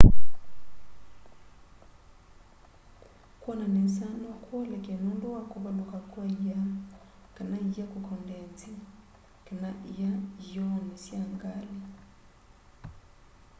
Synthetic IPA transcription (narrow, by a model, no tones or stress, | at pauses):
kwananesanɔkwɔlɛkenundowakuβalokakwaija | kanaijakokɔndɛnt͡si | kanaʔijajɔnesjaŋɡali